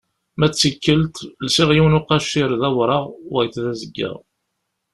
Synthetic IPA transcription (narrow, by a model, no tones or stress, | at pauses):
mæt͡sːəkːəlt̪lsiʁjiwnʊqɑʃɪɾðæwɾˤɑʁwæjθðæzəɡːə̰ʁ